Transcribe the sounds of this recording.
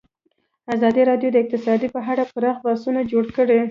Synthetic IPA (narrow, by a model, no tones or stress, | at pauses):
azɑd̪iɾɑdjod̪əɪq̚t̪ɪsɑd̪ipəɦaɽapəɾɑxbɑsunad͡ʒoɽkəɽe